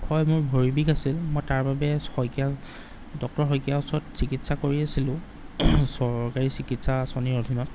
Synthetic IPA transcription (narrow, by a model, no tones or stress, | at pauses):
kʰɔjmʊɹbʱoɹibikasilmojtaɹbabɛhɔjkia | dɔk̚tɔɹɦɔjkijaʊsɔtsikitsakoɹiasilʊ̃ | sɔɹkaɹisikitsasɔniɹodʱinɔt̚